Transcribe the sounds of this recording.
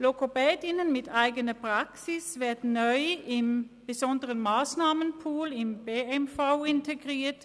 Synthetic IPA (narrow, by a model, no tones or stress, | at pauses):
lokopeːd̪ɪnənmɪd̪ʰæɪɡənəpʰɾɑksɪsʋæt̪nœʏɪm | b̥əsɔnd̪ɾənmɑːsnɑːmənpʰuːlɪmbeɛmfaʊɪnt̪ʰəɡɾeːt